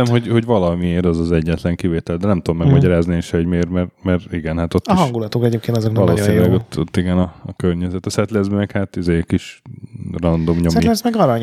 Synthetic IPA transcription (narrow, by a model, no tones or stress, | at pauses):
ɛmho̞ɟho̞ɟʋɒlɒmieːɾɛzɒzɛɟːɛt̪lɛŋkiveːt̪ɛld̪ɛnɛmt̪uomːɛɡmɒɟɒɾaːznienʃɛoɟmeːrmɛrmɛɾiɡɛnhat̪o̞t̪ːiɦʃɒŋɡulɒt̪okɛɟeːp̚kent̪ɒzoknvɒloːsinilɛɡot̪ːot̪ːiɡɛnɒːkørɲɛzɛt̪ɛsɛt̪lɛzmɛkhaːt̪izeːkiʃ | rɒnd̪o̞mɲomilɛsmɛɡɒɾɒɲ